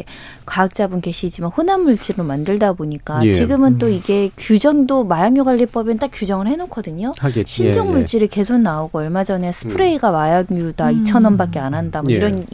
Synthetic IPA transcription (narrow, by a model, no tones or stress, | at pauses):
kaːk̚t͡ɕ͈abunke̞ɕʰid͡ʑimanɸonanːuɭt͡ɕ͈iɾomandɯɭdaboɲik͈at͡ɕiɡɯmɯnt͈oiɡe̞kjud͡ʑʌŋdomajaŋjoɡaʎːip͈ʌbent͈ak͈jud͡ʑʌŋɯɭhe̞nokʰʌdɯɲoɕʰind͡ʑʌŋmuɭt͡ɕ͈iɾɯɭke̞sʰok̚naoɡoʌɭmad͡ʑʌnesʰɯ̥pʰɯɾe̞iɡawajaŋjudait͡ɕʰʌnʌnbak̚k͈e̞anɦandamʌniɾʌn